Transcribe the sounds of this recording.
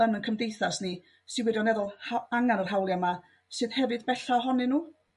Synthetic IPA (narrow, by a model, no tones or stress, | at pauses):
ənənkʰəmdejθasni | sɨwɪɾjɔnɛðʊlˠhaaŋanər̥ɦawlˠjama | sɨːðhɛvɨðbɛɬaɦɔnɨnuː